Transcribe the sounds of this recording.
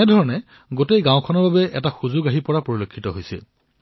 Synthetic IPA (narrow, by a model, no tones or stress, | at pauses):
ɛdʱɔɹɔnɛ | ɡotejɡãw̃kʰɔnɔɹbabɛʔɛ̰taxuzʊɡaɦipɔɹapoɹilokʰːitɔɦojsɛ̰